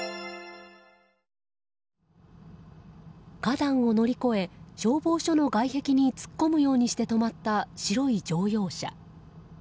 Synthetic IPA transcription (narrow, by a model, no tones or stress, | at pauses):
ɡ̥ad̪ãɰ̃o̞no̞ɾʲiko̞e̞ɕo̞ːbo̞ːɕo̞no̞ɡaihe̞kʲiɲ̟it͡sɨ̥kːo̞mɯ̟jo̞ːɲ̟iɕi̥t̪e̞t̪o̞mat̪ːaɕiɾo̞id͡ʑo̞ːjo̞ːɕa̰